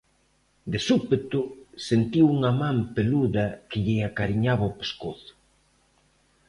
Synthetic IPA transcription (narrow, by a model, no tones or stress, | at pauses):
d̪esupet̪ʊsent̪iwuŋɐmãmpeluðɐkɪʎɪakaɾiɲaβɐopeskoθʊ̥